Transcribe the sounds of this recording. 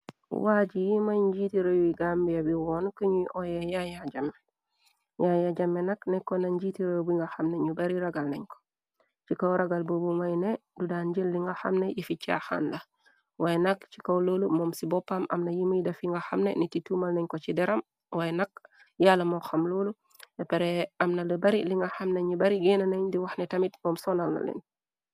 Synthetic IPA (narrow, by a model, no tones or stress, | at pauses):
waɟijimajɲɟiːtiɾajuiɡaːmbijabiwɔnukəɲuʔojejajaɟame | jajaɟamːenaknɛkːonaɲɟiːtiɾajubiŋɡaxamneɲubaɾiɾaɡalnɐɲko̥ | t͡ʃikawɾaɡalbobumajnedudaːnɟilːiŋɡaxa̰mnejifit͡ʃːa̰xa̰nla | wajɛnakt͡ʃi̥kawloːlumɔmsibɔpːamɐ̰mnɐjiməjdɐfiŋɡaxamnenititumalnɐɲkot͡ʃidɛɾɐm | wajnak̚ | jalamɔxamloːlu | ɛpɛɾɛamnalibaɾiliŋɡaxamneɲubaɾiɡenaneɲdiwaxnɛtɐmitmɔːmsɔnalna̰lɛ̰n